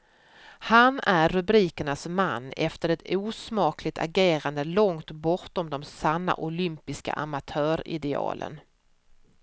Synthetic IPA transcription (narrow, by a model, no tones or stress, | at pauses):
hanæɾːɵbɾiːkəɳasma̰nːʔɛft̪əɾɛt̪ʰuːsmɑːklɪt̪ʰa̰ɾɡeːɾand̪əlɔŋt̪bɔʈ̪ɔmd̪ɔmsanːa̰ʔʊlʏmpɪska̰ʔamat̪ʰœːɾɪ̰d̪ɛɑ̰ːlə̰n